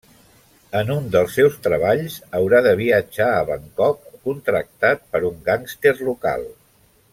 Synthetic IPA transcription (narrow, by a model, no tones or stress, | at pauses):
ənund̪əlˠsːɛwst̪ɾəβaʎzəwɾaðəβ̞iəd͡ʒaəβəŋkɔkːunt̪ɾək̚t̪at̪̚pəɾuŋɡaŋst̪erluka̰lˠ